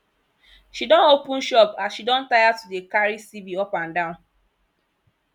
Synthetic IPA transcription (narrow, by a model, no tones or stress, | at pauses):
ʃidɔ̃nopũn̩ʃɔpasʃidɔ̃n̩tajatudekaɾisibiɔkʷan̩dãʊ̃n